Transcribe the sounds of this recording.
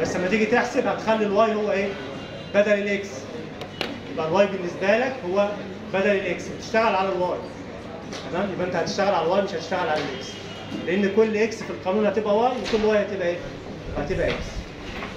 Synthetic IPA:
bæsːmæt̪iɡit̪eħsebhæt̪xælːilwæːjhowːæʔeː | bæd̪ælelʔeks | jebʔælwæːjbenːesbæːlækhowːæ | bæd̪ælelʔekshæt̪e̥ʃt̪æɣælʕalælwæːj | t̪æmæːmjebʔent̪æhæt̪eʃt̪æɣælʕalælwæːjmeʃhæt̪e̥ʃt̪æɣælʕalælʔeks | leʔenːkolːʔeksfilqɑnuːnhæt̪ebʔæwæːjwekolːwæːjhæt̪ebʔæʔeː | hæt̪ebʔæʔeks

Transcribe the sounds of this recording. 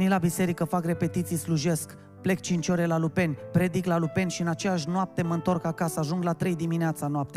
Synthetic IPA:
nilabise̞ɾikəfakre̞pe̞t̪it̪sijsluʒe̞sk | ple̞k̚t͡ʃint͡ʃo̞ɾe̞lalupe̞nʲpɾe̞d̪iklalupe̞nʃiɨnat͡ʃe̞jaʃ̬noap̚t̪e̞məɨnt̪o̞rkakasəaʒuŋɡlat̪ɾe̞jd̪imineat̪sanoap̚t̪ea

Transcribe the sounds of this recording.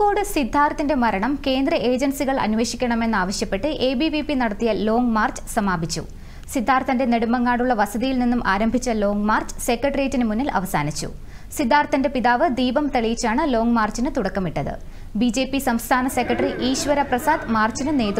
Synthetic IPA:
koːɽɨsid̪ʱːaːɾɐt̪ːinde̞mɐɾɐɳɐmke̞ːnd̪rɐʔe̞ːd͡ʑɐnsiɣɐɭɐ̰nuʋe̞ːɕikʲːɐɳɐme̞nːaːʋɐɕjɐpːe̞ʈːɨʔe̞ːbiʋipinɐɽɐt̪ːijɐlo̞ːŋmaːrt͡ɕɨ̥sɐmaːbʱit͡ɕːṵ | sid̪ʱːaːɾɐt̪ːɐnde̞ne̞ɽumɐŋːaːɽuɭːɐʋɐsɐðijilninːumʔaːɾɐmbʱit͡ɕːɐlo̞ːŋɡmaːrt͡ɕɨ̥se̞kːɐʈɐrijetːinɨmunːɐlɐ̰ʋɐsaːnit͡ɕːṵ | sid̪ʱːaːrt̪ːɐnde̞piðaːʋɨd̪iːbɐmt̪ɐɭijit͡ɕːaːɳɨlo̞ːŋɡmaːrt͡ɕinɨt̪uɽɐkːɐmiʈːɐðɨ̰ | bid͡ʑe̞ːpːisɐmst̪ʰaːnɐse̞kːɐʈɐriʔiːɕʋɐɾɐprɐsaːd̪maːrt͡ɕinɨne̞ːðu

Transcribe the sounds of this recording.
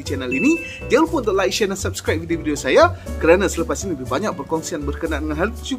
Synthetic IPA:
it͡ʃɛnəlini | d͡ʒalupʊnt̪ɔʔlajt͡ʃɛnalsap̚skɾap̚vidividiosajakəɾanãsələpasiniəbibaɲãk̚pərkɔnsianbərkənaʔandəŋanɦalt̪u

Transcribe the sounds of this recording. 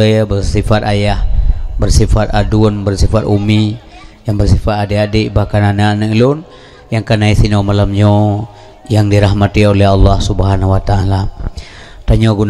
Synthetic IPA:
əbərsifat̪ajahbərsifat̪adunbərsifat̪umi | jaŋbərsifat̪adeadiʔbahkananaanailʊn | jaŋkanaisinomalamɲo | jaŋdiɾaɦmat̪iolɛɦɑlːɑhsubəɦanwat̪aːla | t̪aɲoɡun

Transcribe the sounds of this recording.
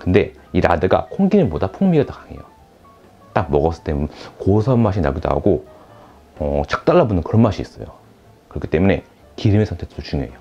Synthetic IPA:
kɯnde̞ | iɾa̰dɯɡa̰kʰoŋɡinɯpodapʰuŋmiɡatokaŋe̞̰jo | t͈ak̚mʌɡʌs͈ɯt͈emkosʰʌmːaɕ̬ʰina̰ɡuda̰ṵɡo | ʌt͡ɕḁk̚t͈aɭːabunɯnkɯɾʌnmaɕʰiːs͈ʌ̰jo̰ | kɯɾʌkʰi̥t͈e̞mune̞̰ | kiɾimesʰʌntʰetut͡ɕuŋjʌejo

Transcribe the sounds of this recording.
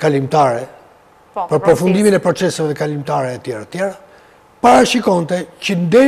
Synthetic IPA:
kalimt̪aɾɛ | pəɾpɾɔfund̪iminɛpɾɔt͡sɛsavɛkalimt̪aɾɛːt̪jɛɾat̪jɛɾa | paɾaʃikɔnt̪ɛcənd̪ɛ

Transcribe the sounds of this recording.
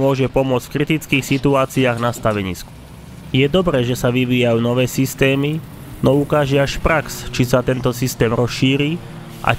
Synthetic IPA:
ʊɔʒɛpɔmʊɔt͡sfkɾit̪it͡skiːxsit̪uaːt͡siaːɣnast̪aʋɛɲḭːsku̥ | jɛd̪ɔbɾɛːʒɛsaʋiʋiːjajuːnɔʋɛːsist̪ɛːmi | nɔukaːʒɛaʃpɾakst͡ʃisat̪ɛnt̪ɔsist̪ɛːmɾɔsʃiːɾiː | ʔa̰

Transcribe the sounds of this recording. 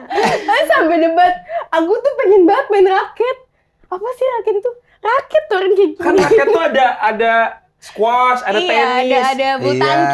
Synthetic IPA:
asampɛdəbat̪̚aɡut̪upəŋɛnbat̪̚bɛnrakɛt̪̚ | apasɪhɾakɛt̪t̪u | rakɛt̪ːoɾɪnd͡ʒakiaakɛt̪ːuadaʔada | skwasadat̪ɛnːdabut̪an

